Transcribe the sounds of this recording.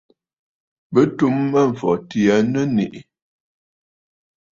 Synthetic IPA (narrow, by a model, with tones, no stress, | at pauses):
bə˦tu˦mːə˦ɱ̩˨fɔ˨ti˨a˦nə˦nḭ˨ʔ